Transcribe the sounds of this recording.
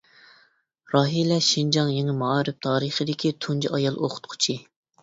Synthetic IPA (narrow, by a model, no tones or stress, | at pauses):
ɾɑːɦilɛʃind͡ʒɑŋjeŋɪmɑːɾɪp̚t̪ʰɑːɾəχəd̪ɪkʲit̪ʰund͡ʒiʔɑjɑlˠʔo̰qʰʊ̥t̪̚qʰʊ̥t͡ʃʰi